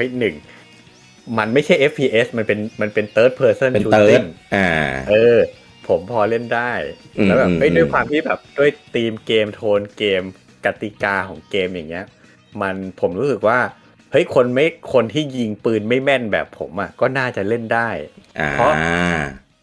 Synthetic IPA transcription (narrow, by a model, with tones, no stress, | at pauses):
hɤ˦˥jnɯ˨˩ŋ | ma˧nma˥˩jt͡ɕʰa˥˩jʔe˦˥pʰːiː˧ʔe˦˥sma˧npe˧nma˧npe˧nt̪ɤː˦˥t̪̚pʰɤː˧sɤ˥˩nt͡ɕʰuː˦e˦˥˩na˧˩ʔɤː˧ | pʰo˩˦mpʰɔː˧le˥˩ndaː˥˩jlɛː˦˥bɛː˨p̚hə˦˥jdu˥˩˨jkʰwaː˧mt̪ʰiː˥˩bɛː˨˩p̚du˥˩əjt̪iː˧mkeː˧mt̪ʰoː˧nkeː˧m | ka˧˩t̪i˨˩kaː˧kʰɔː˩˦ŋkeː˧mjaː˨˩ŋːi˦˥ɐ | ma˧npʰo˩˦mɾuː˦˥sɯ˨˩k̚waː˥˩ | hɤ˦˥jkʰo˧nma˥˩jkʰo˧nt̪ʰiː˥˩ji˧ŋpɯː˧nma˥˩jmɛ˥˩nbɛ̰ː˨˩pʰːo˩˦mʔa̰˨˩kɔː˥˩naː˥˩t͡ɕa˨˩le˥˩ndaː˥˩jʔa̰ːpʰɾɔ˦˥